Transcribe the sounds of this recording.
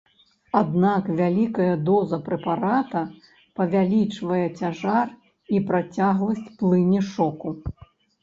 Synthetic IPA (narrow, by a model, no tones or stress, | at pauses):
ad̪nakvʲalʲikɐjɐd̪ɔzɐpɾɛpaɾat̪ɐ | pɐvʲalʲit͡ʂvɐjɛt͡sʲaʐar | ipɾat͡sʲaɣlˠɐsʲt͡sʲplˠɨnʲɛʂɔku